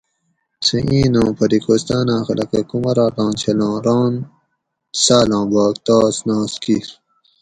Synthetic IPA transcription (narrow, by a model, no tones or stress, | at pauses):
sẽʔĩːnõːpʰɐɾikoːst̪aːnãːxɐlɐkekumɐɾaːʈ̪ɑ̃ːnt͡ɕʰɐlɑ̃ːɾɑ̃ːn | saːlɑ̃ːbaːkt̪aːsnãːskiɾ